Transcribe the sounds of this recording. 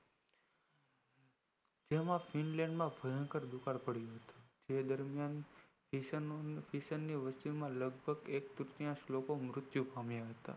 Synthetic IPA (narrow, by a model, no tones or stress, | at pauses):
d͡ʒemãfinlɛ̃ɳɖmãbʱəɦə̃ŋkəɾd̪ukaɾpəɽjũɦət̪u̥d͡ʒed̪əɾmjan | fiəfiʃənːiʋəst͡ʃinmãləɡ̚bʱəɡek̚t̪ʊɾt̪jãʃlokomɾʊt̪jũpamjaɦət̪a̰